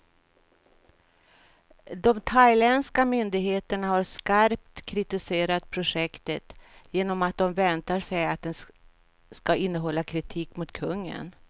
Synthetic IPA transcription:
d̪ɔmt̪ʰajlɛnskamʏnd̪ɪɡheːt̪əɳahaɾskaɾp̚t̪kʰɾɪt̪ɪseːɾat̪̚pʰɾʊʂɛkt̪ət̪jeːnɔmat̪̚d̪ɔmvɛnt̪aʂɛjat̪̚d̪ɛn | skaɪnːəɦɔlːakʰɾɪt̪ʰiːkmʊt̪kʰɵŋːə̰n

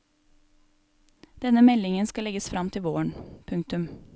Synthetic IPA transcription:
d̪̥ɛnəmɛlɪŋənskɑlɛɡəsfɾʔɑmt̪ʰɪʋoːəɳpʰʉŋkt̪ʉm

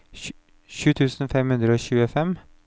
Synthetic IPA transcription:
ʃʉːt̪ʰʉːsn̩fɛmhʉnd̪ɾəoːçʉːəfɛm

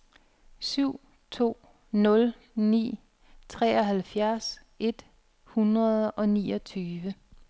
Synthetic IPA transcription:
syʊ̰ | t͡sʰo̝̰ː | nɔ̽l | nḭː | t͡sʰʁɛ̰ːɒɦælfjæɐs | ʔe̝d̥ | hunʁɐð̩ˠɒ̽nḭːɒ̽t͡sʰyːʋə

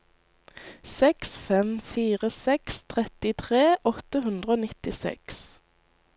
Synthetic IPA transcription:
sɛksfɛmfiːʁəsɛkst̪ʰʁɛt̪ɪt̪ʰʁeːʔɔt̪əɦʉnd̪ʁəoːnɪt̪ɪsɛ̰ks

